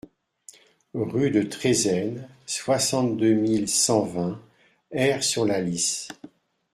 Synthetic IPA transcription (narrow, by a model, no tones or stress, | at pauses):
ʁyd̪ət̪χezɛnswasɑ̃t̪d̪ømilsɑ̃vɛ̃ | ɛʁsyʁlalis